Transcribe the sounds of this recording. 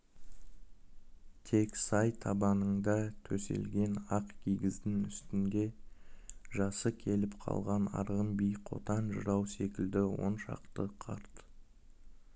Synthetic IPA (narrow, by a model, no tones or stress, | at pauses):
t̪ʰe̞ksɑjt̪ʰɑbɑnəɴd̪ɑt̪ʰɵse̞̰lɡʲe̞nɑqkʲʰijɡʲɪzd̪ɪnʏst̪ɪnd̪e̞ | ʒɑsəkʲʰe̞lɪpqʰɑ̰lˠʁɑnɑ̰ɾʁəmbijqʰo̞̰t̪ɑnʒəɾɑwse̞kʲɪld̪ɪwo̞̰nʃɑ̰qt̪əqʰɑɾt̪